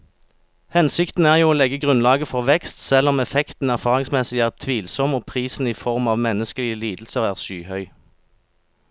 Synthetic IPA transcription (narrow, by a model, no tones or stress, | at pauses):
hɛnsɪkt̪n̩æːʁjuːoːlɛɡəɡʁʉnlɑːɡəfɔʁʋɛkst̪sɛlɔmɛfɛkt̪n̩æʁfɑːʁɪŋsmɛsɪæːʁt̪ʰʋiːlsɔmoːpʰʁiːsn̩iːfɔʁmɑːʋmɛnəskəlɪəliːd̪l̩səʁæːʁʃyːhœʏ